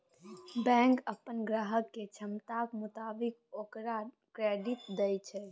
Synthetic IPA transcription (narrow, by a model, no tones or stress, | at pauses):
bɛ̃ŋkəpːənɡɾaɦəkːet͡ʃʰəmt̪akmut̪abikokɾa | kɾeɖit̪d̪əjt͡ʃʰɛ